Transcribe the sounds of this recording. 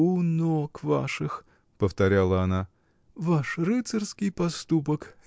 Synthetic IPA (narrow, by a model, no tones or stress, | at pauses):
ʊnokva̰ʂɨx | pəft̪ɐɾʲalˠəɐna | vaʂrɨt̪sərskʲɪjpɐst̪upək